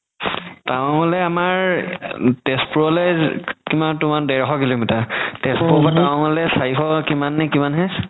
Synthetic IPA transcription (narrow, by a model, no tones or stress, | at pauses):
taw̃ŋɔlɛamaɹ | tɛspuɹɔlɛkimantumandɛɹɦɔkilomitatɛspɔbʰataw̃ŋɔlɛsaixʰɔkimanːɛkimanɦɛ